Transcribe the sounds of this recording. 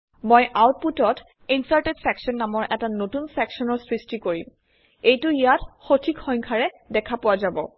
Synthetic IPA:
mojʔawt̚putɔt | insaɹtedsɛksɔnːamɔɹʔɛtanotunsɛksɔnɔɹsɹistikoɹim | ejtʊijatxotʰikxɔj̃ŋkʰaɹɛ | dɛkʰapʊwazabɔ̰

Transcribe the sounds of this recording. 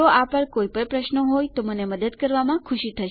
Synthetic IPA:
oʔapəɳkojpəɳpɾəʃnəɦojt̪oməneməd̪əd̪kəɾʋamãkʰʊʃit̪ʰəʃe

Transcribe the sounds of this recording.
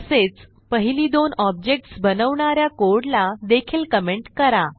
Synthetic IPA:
əset͡s | pəɦiliːd̪onɔb̚d͡ʑek̚ʈsbənəʋɳaɾjakoɾɽlad̪ekʰiːlkəmeɳʈkəɾa

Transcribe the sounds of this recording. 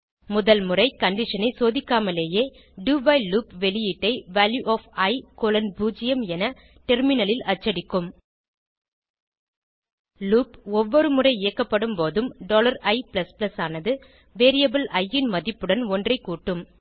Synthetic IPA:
mʊðɐlmɯrɐɪkɐɳɖɪʂɐnɐɪsoːðɪkːaːmɐleːjeː | ɖuːbɐɪluːpʋɛlɪjɪʈːɐɪʋaːljuʔoːfɐɪkoːlɐnbuːd͡ʒɪjɐmɛnɐ | ʈɛɾmɪnɐlɪlɐt͡ʃːɐɽɪkːɯm | luːpɔʋːɔɾɯmɯrɐɪɪjɐkːɐpːɐɽɯmpoːðɯmɖoːlɐɾɐɪplɐsplɐsaːnɐðɯ | ʋeːɾɪjɐbɯlɐjːɪnmɐðɪpːɯɽɐnɔndrɐɪkːuːʈːɯm

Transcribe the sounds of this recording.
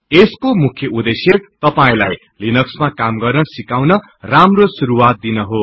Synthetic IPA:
eskomukʰjʌud̪esjert̪ʌpaĩlaj | linʌksmakamɡʌrnʌsikawnʌ | ramrosuɾuwat̪̚d̪inʌɦo

